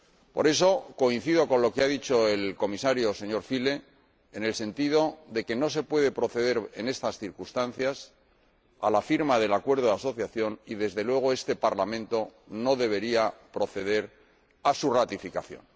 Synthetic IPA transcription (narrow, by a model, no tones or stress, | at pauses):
po̞ɾe̞so̞ko̞in̟θiðo̞ko̞nlo̞keaðit͡ʃo̞e̞lko̞misaɾjose̞ɲo̞ɾfile̞ː | ne̞lse̞nt̪ið̞o̞ðe̞ke̞no̞s̬e̞pwe̞ðepɾo̞θe̞ðe̞ɾe̞ne̞st̪asθiɾkust̪an̟θjas | a̰lafiɾmaðe̞lakwe̞ɾð̞o̞ðaso̞θjaθjo̞niðe̞zðe̞lwe̞ɣ̞o̞e̞st̪e̞paɾlamẽnt̪o | no̞ðe̞βe̞ɾiapɾo̞θe̞ð̞e̞ɾ | asurat̪ifikaθjo̞̰n